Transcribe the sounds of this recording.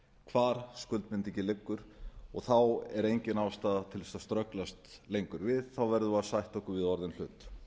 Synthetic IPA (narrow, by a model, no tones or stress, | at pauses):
kʰvaːɾ̥skʏlt̪mɪnt̪icɪlɪkːʏɾ̥ɔɣθawɛɾejɲcɪnavst̪aːðat̪ʰɪlst̪ast̪ɾœklast̪lejŋkʏɾvɪðθawvɛɾðʏvasajht̪ɔhkʏɾvɪðɔɾðɪnl̥ʏːt̪